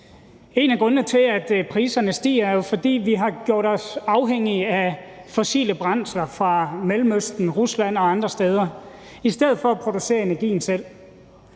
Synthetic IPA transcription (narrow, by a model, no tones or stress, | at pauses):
e̝næɡ̥ʁɔ̽nət͡sʰe̝æd̥pʰʁiːsɐnəsd̥ḭːɐɐjo̝fɒ̽d̥ḭːʋiɦɑ̈ɡ̥jo̝ɐ̰ɾɒ̽sɑ̈ʊɦeŋ̰iæfɔsḭːləb̥ʁɑ̈n̰slɐfʁɑ̈melmøsd̥n̩ʁuslæn̰ɒ̽ɑ̈nd̥ʁɐsd̥eːð̞ˠɐ | isd̥eð̰̩ˠfɒ̽æpʰʁo̝d̥use̝̰ːɐe̝næɐɡ̥ḭːn̩sel̰